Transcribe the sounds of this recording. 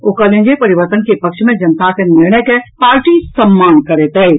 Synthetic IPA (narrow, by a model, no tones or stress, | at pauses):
okəlẽnd͡ʒepəɾiʋəɾt̪ənkepəkʃʰmed͡ʒənət̪akeniɾɳ̃əkepaɾʈisəmːankəɾet̪ə